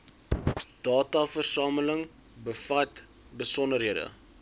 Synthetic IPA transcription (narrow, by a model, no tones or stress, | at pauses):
d̥ɑːtɑfərsɑːmələŋ | bəfɐt | bəsɔndərɦiədə̰